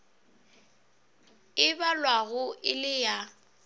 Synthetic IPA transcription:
ɪbalwaɣʊʔɪlɪja

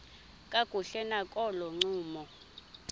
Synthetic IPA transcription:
kʼaɡ̥ʱuɬɛnakʼɔlɔŋ͡ǀuːmɔ

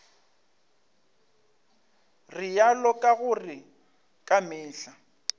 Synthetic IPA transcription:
rɪjalɔkʼaɣʊrɪ | kʼamɪːɬa

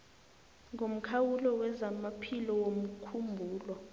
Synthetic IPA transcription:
ŋʱom̩kʰawulɔwɛzamapʰilɔwom̩kʰumbʱuːlwɔ

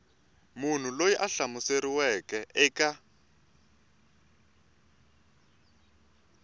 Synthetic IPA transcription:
mun̤ulojiʔaɬamuseɾiwɛkɛʔɛka

